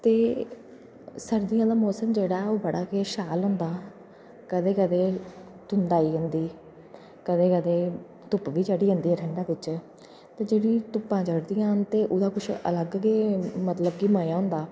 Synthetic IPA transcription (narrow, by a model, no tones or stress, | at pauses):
t̪eː | səɾd̪ijãːd̪aːmɔːsəmd͡ʒeːɽaːɛoːbəɽaːkeʃaːlɦʊ̃nd̪aː | kəd̪eːkəd̪eː | t̪ʊnd̪aːiːɦʊ̃nd̪iː | kəd̪eːkəd̪eː | t̪ʊpʋiːd͡ʒəːɽiːɦʊ̃nd̪iːɦɛːʈʰəɳɖãːʋɪt͡ʃ | t̪eːd͡ʒeːɽiːt̪ʊpːãːd͡ʒəɽd̪iːjãːnt̪eːʔʊd̪aːkʊt͡ʃʰə̰ləɡɡeːmət̪ləb̚kiːməːjãːɦʊ̃nd̪aː